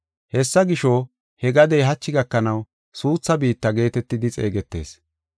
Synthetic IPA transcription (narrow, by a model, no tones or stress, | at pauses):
hɛsːɐɡɪʃɔ | hɛɡɐd̪ɛjɦɐt͡ʃːɪɡɐkːɐnɐw | suːt͡sːɐbiːt̪ːɐɡe̞ːt̪ɛt̪ːɪd̪ɪt͡sʼe̞̰ːɡɛt̪ːe̞̰ːs